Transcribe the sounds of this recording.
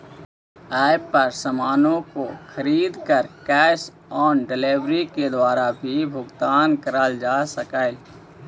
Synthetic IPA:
ɛːpəɾsəmaːnõkoxʰəɾiːd̪kəɾkɛːs | ɔːɖɪleːʋɾiked̪waːɾabʱibʱʊɡt̪aːnkəɾəld͡ʒaːsəkaːe

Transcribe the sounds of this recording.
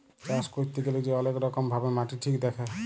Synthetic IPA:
d͡ʒaskut̪ːikelid͡ʒeɔlekɾɔkɔmbʱabemaʈiʈʰikd̪ekʰɛ

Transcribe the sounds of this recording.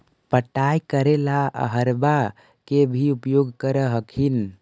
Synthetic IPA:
pəʈajkəɾelaə̰ɦəɾba | kebʱiupjoɡkəɾəɦəkʰin

